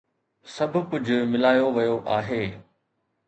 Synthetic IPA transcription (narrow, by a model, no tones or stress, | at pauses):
sɐbʱʊ̆kʊd͡ʑʱʊ̆mɪlaːjoʋɐjoʔaːɦeː